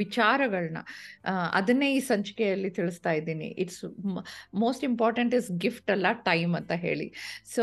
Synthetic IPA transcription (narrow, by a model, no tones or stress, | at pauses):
ʋit͡ʃaːɾɐɡɐɭɐnɐ̰ɐ̰d̪ɐnːeːiːsɐɲt͡ʃkɛjɐlːit̪iɭist̪aːjd̪iːnḭʔiʈs | moːsʈimpaːɾʈeɳʈisɡifʈɐlːɐʈɐjmɐnt̪ɐɦe̞̰ːɭḭsoː